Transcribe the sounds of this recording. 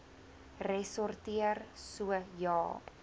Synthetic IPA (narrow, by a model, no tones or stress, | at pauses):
rɛsɔrtiərsuəjɑː